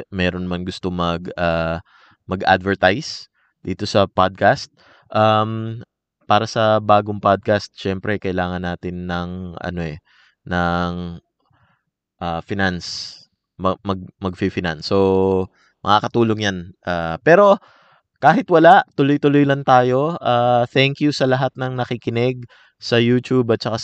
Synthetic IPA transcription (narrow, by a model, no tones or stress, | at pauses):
mɛːɾo̞nmɐnɡʊst̪omɐɡaː | mɐɡʔa̰d̪vɛɹt̪ajs | d̪̥ḭːt̪o̞sɐpad̪̚kast̪̚ | ʔam | paːɾɐsɐbaːɡoŋpad̪̚kast̪̚ʃɛmpɾɛkɐʔɪlaːŋɐnːaːt̪ɪnːɐŋɐ̰noʔɛ | nɐŋ | ʔafɪnans | mɐmɐɡ̚mɐɡ̚fifɪna̰nsːo | mɐ̰ŋakɐt̪uːloŋjanʔaːpɛːɾo̞ | kaːɦɪt̪wɐlaʔt̪ʊlojt̪ʊlojlɐnt̪aːjo̞ʔaːθɛŋkjusɐlɐɦat̪̚nɐŋnɐkɪkɪnɛɡ̚ | sɐjuːt̪ubɐt̪̚t͡ʃɐka